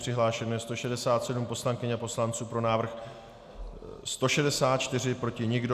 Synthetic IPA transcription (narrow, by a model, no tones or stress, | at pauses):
r̥ɪɦlaːʃɛnujɛst̪o̞ʃɛdɛsaːt̪sɛdumpo̞slaŋkɪɲapo̞slant͡suːpɾo̞naːvr̩x | st̪o̞ʃɛdɛsaːt̪̚t͡ʃt̪ɪr̝ɪpɾo̞cɪɲɪɡdo